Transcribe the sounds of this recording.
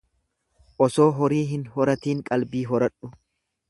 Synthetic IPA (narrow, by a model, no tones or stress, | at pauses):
ʔɔsoːɦɔɾiːɦɪnhɔɾɐt̪iːŋkʼɐlbiːɦɔɾɐᶑʊ